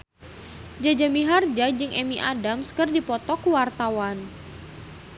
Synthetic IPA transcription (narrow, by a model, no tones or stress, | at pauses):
d͡ʒad͡ʒamiɦard͡ʒad͡ʒɨŋʔɛmiʔadamskɨrdipɔt̪ɔkuwart̪awan